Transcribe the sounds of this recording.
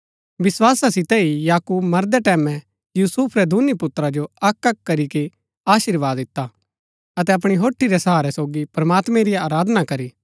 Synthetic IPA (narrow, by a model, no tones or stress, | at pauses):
ʋɪswaːsasɪt̪ɛijaːkuːbmɐɾd̪ɛʈɛːmɛ̃ | juːsuːpʰɾɛd̪ʱuːnipʊt̪ːɾad͡ʒoɐkɐkːɐɾike | aːʃiɾʋaːd̪ɪt̪ːa | ɐt̪̬ɛɐp̬ɽ̃iɦoːʈʰːiɾɛsɐɦaːɾɛsoːɡipɾɐmaːt̪mɛ̃ɾijaːɾaːd̪ʱnakɐɾiː